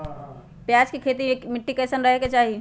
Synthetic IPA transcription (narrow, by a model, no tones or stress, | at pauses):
pjaːd͡ʒkekʰeːt̪̬imɪʈːikeːsənɾəɦeket͡ʃaːɦi